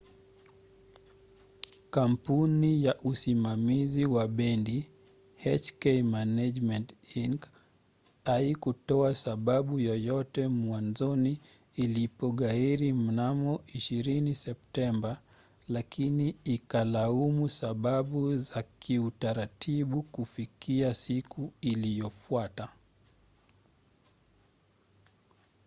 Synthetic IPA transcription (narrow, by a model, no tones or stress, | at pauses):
kampunijaʔusimamiziwaɓɛndi | hɛt͡ʃkɛjmanad͡ʒmɛntiŋk | aikutɔasaɓaɓujɔjɔtɛmwanzɔniːlipɔɠaiɾim̩namɔʔiʃiɾinisɛp̚tɛmba | lakʰiniːkalaumusaɓaɓuzakiutaɾatʰiɓukufikiasikʰuilijɔfuata